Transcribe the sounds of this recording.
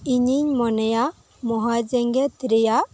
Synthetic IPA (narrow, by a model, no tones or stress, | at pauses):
iɲiɲmɔnɛja | mɔɦad͡ʒɛŋɡɛt̪ɾɛjaʔ